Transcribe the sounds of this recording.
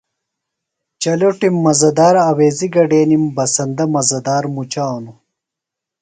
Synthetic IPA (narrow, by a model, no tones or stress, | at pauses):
t͡ɕɐloʈimːɐzɐd̪aːɾɐweːziɡɐɖeːnimbɐsɐnd̪ɐmɐzɐd̪aːɾmut͡ɕaːwnu